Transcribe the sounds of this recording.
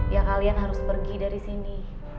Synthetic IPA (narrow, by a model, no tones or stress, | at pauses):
jaŋkalianɦaɾʊspərɡidaɾisini